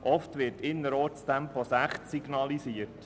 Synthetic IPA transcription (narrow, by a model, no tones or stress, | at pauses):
ʔɔftʋɪrtɪnːəɾoːt͡stɛmpʰɔsæχtsiɡ̥nɑlisiərt